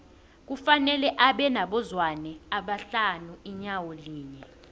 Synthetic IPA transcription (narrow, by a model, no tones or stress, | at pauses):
k̬ufanɛlɛʔaɓɛnaɓɔzwanɛaɓaɬanuiɲawoliːɲɛ